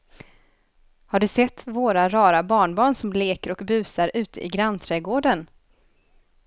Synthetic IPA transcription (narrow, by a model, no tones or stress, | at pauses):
haɖɵsɛt̪ːvoːɾaɾɑːɾabɑːɳbɑːɳsɔmleːkəɾɔkbʉ̟ːsaɾʉ̟ːt̪ə̰ʔɪ̰ɡɾanːt̪ʰɾɛːɡoːɖən